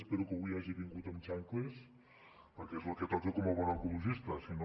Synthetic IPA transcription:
speɾukəβujaʒiβiŋɡut̪əmt͡ʃaŋkles | pəɾkɛezloket̪ɔkekɔmoβɔnokuluʒist̪əsino

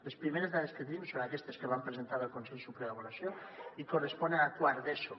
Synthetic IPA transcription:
lespɾimeɾezðaðesket̪enimsonakɛst̪eskeβ̞ampɾezent̪aɾəlˠkonsɛʎsupɾelaβoɾasjoikorespɔnenakwaɾðeso

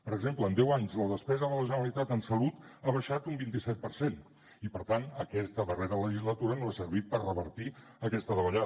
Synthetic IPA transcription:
pəɾəɡzempləːnd̪ɛwaɲzləðəspɛzəðələʒənəɾəlit̪at̪ənsəlut̪aβəʃat̪umbint̪isɛt̪̚pəɾsen | ipəɾt̪anəkɛst̪əðəreɾələʒizlət̪uɾənoasəɾβit̪̚pərrəβəɾt̪i | əkɛst̪əðəβəʎa

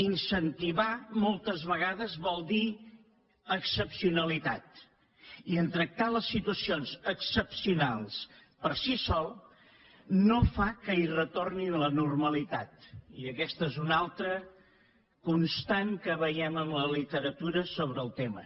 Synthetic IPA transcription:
insənt̪iβamolˠt̪əzβəɣ̞aðəzβɔlˠd̪i | əksəpsiunəlit̪at̪ | iənt̪ɾək̚t̪aləsːit̪uəsionzəksəpsiunalˠs | pərsisɔlˠ | nofakəirət̪orninlənurməlit̪at̪̚iəkɛst̪əezunalˠt̪ɾə | kunst̪aŋkəβəjɛməmləlit̪əɾət̪uɾəsoβɾəːlˠt̪emə̰

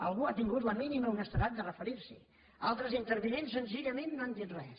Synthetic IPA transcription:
ə̰lˠɣuat̪iŋɡut̪ləminiməunəst̪əɾat̪̚d̪ərəfəɾiɾsḭ | alˠt̪ɾəzint̪əɾβinensənziʎəmenːoand̪it̪rɛ̰

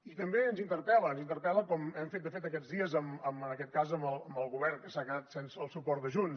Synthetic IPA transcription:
it̪əmbeənzint̪əɾpɛləːnzint̪əɾpɛləkɔmɛmfet̪̚d̪əfet̪əkɛd͡zðiəzəməmənəkɛt̪̚kazəməlˠəmbəlˠɣuβɛrnkəsaɣənat̪sensəːlˠsupɔɾt̪d̪əʒun

